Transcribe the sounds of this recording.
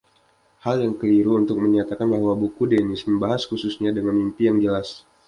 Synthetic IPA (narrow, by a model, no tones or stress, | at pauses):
haljaŋkəliɾuːnt̪ʊk̚məɲat̪akanbaɦwabukudenɪsməmbaɦaskususɲadəŋanmimpijaŋd͡ʒəlas